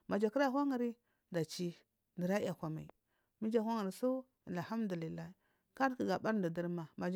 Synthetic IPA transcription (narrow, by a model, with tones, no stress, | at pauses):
ma˨d͡ʒa˨ki˦ɾa˦ɦʷa˦ŋa˨ɾi˦ | da˨t͡ʃi˦ | ndi˨ɾa˦a˨kʷa˨ma˨i˨ | mi˦d͡ʒa˦ha˦ŋa˨ɾi˨su˦ | a˨la˨ha˦mdu˨li˨lːa˦i˨ | ka˦ɾki˨ɡa˨ba˦ɾndu˨di˦ɾma˨ma˨d͡ʒ